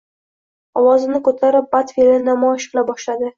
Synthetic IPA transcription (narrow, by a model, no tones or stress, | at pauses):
ɒwɒzɪnɪkʰot̪ʰaɾɪp̚bat̪fʲelɪnnamɒɪʃqɨlabɒʃlad̪ɪ